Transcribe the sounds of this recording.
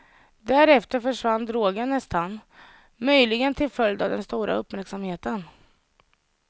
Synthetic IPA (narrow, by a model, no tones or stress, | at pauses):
d̪æɾɛft̪əɾfœʂvanːd̪ɾoːɡənnːɛst̪an | mœjlɪɡənt̪ʰɪlfœljd̪avd̪ɛnst̪uːɾa̰ɵpːmæɾksamheːt̪ən